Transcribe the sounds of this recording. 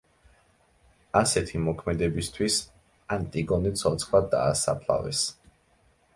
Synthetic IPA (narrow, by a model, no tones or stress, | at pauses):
asɛt̪ʰimɔkʰmɛd̪ɛbist̪ʰwis | ant̪ʼiɡɔnit̪sʰɔt̪sʰχlwad̪a̰ːsa̰pʰla̰vɛ̰s